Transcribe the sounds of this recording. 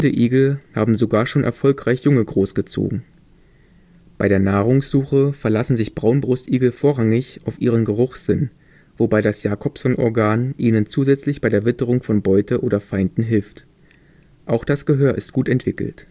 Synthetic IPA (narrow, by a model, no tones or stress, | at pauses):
dəʔiːɡl̩haːbm̩zoɡaːɐʃoːnʔɛ̰ɐfɔlkʁ̥aɪçjʊŋəɡʁoːsɡ̥ət͡so̰ːɡŋ̩ | b̥aɪɾeːɐnaːʁ̞ʊŋsz̥uːxəfɛɐlasn̩zɪçb̥ʁaʊnbʁʊstʔiːɡl̩foːɐʁaŋɪçaʊfʔiːʁ̞ənɡəʁʊχz̥ɪn | v̥obaɪdasjaːkʰɔpsɔnʔɔ̰ɐɡaːnʔiːnənt͡suːzɛt͡slɪçb̥aɪɾeːɐvɪtəʁ̞ʊŋfɔnbɔʏtʰəʔoːɾɐfaɪndn̩ɦɪlft | ʔaʊxd̥asɡ̥əɦøːɐʔɪst̚ɡ̥uːtɛntv̥ɪkl̩t